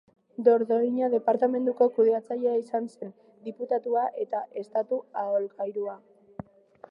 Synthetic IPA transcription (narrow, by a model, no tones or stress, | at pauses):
d̪o̞ɾðo̞iɲaðe̞paɾt̪ame̞nd̪uko̞kuðe̞at͡saʎe̞aisanse̞n | d̪iput̪at̪uaʔe̞t̪aʔe̞st̪at̪uaolkajɾua